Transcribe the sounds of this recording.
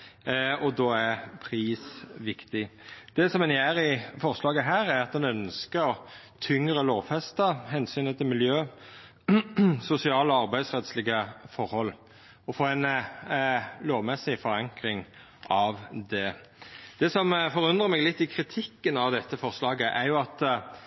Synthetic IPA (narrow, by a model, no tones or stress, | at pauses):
ɔd̪oːæpʰʁiːsʋɪkt̪ɪd̪̥ɛsɔmɛnjæːɾɪfɔʁslɑːɡəɦæːɾæɾɑt̪̚d̪ɛnœnskəɾɔ | t̪ʰʏŋɾəloːʋfɛst̪əɦɛnsyːnət̪ʰɪlmɪljøː | sʊsɪɑːlɔɑʁbæɪd̪sʁɛt̪slɪɡəfɔɾhɔlː | ɔfoːæɪn | loːʋmɛsːɪfɔɾɑŋkɾɪŋ | ʔɑʋd̪ɛ | d̪̥ɛsɔmfɔʁʉnd̪ʁəmɛːɡlɪt̪ːɪkʰɾɪt̪ʰɪkːənɑʋd̪ɛt̪ːəfɔʁslɑːɡəʔæɾjʊɑt̪